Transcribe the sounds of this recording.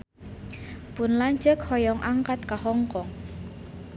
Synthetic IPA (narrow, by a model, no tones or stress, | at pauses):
pʊnlaɲd͡ʒəkhɔjɔŋʔaŋkat̪̚kahɔŋkɔŋ